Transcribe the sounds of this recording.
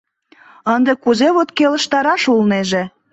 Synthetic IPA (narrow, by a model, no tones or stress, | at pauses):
ənd̪ekuzeβot̪kelə̆ʃt̪ɑɾɑʃulneʒe